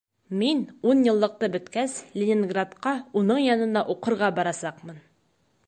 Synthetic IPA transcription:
minunjɤ̆lˠːɤ̆q̚t̪ɤbɵ̆t̪kæslʲɪnʲɪŋɡrat̪qɑunɤɴjɒnɤ̆nd̪ɑʔuqɤ̆ɾʁɑbɒɾɑsɑqmɤn

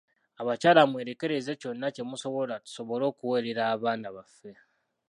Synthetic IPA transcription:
aβacaːlamweːɾe̞ke̞ɾe̞ze̞co̞nːace̞muso̞βolatu̥so̞βo̞lo̞ːkuweɾeɾaːβaːnaβafːe̞

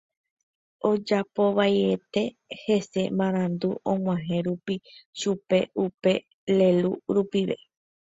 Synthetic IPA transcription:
o̞d͡ʒapo̞ʋajet̪e̞ | he̞se̞mãɾ̃ãnd̪uõŋʷãɦẽɾupiʃupe̞upe̞ | le̞luɾupiʋḛ

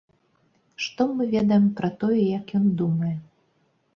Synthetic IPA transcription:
ʂt̪ɔmɨvʲɛd̪ɐjɛmpɾɐt̪ɔjɛjɐkjɔnd̪umɐjɛ

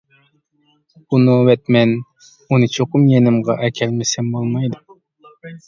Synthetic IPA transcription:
unuwɛt̪mɛn | unɨt͡ʃʰoqʊmjenɪmʁɑʔɛkʲʰɛlmɪsɛmbolˠmɑjd̪u

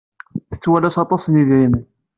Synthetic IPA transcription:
θə̥t͡sːwælæsɑt̪ˤɑsniðɾimən

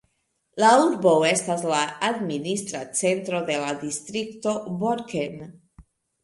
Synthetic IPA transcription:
lauɾbowe̞staslaad̪minist̪ɾat͡se̞nt̪ɾo̞d̪e̞lad̪ist̪ɾikt̪o̞boɾken

